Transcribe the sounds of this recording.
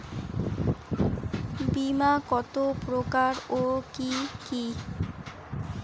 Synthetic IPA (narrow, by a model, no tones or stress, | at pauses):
bimakɔt̪opɾokaɾokiki